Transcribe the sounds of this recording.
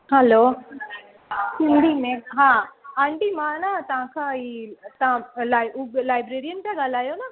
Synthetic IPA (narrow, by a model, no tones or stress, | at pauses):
ɦɐloː | sinɖ̪imeɦãaɳʈimaːnat̪ãːkʰait̪ãlajlajbɾeɾijənʈaɡalaːjona